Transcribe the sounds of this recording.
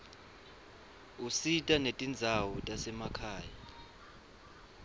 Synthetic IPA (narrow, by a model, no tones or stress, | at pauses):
usitʼanetʼind͡zʱawɔtʼasɛmakʰaːja